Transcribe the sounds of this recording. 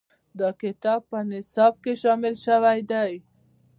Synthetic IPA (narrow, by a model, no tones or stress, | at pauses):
d̪əkɪt̪ɑb̚pənɪsɑb̚keʃɑmɪlʃawajd̪aj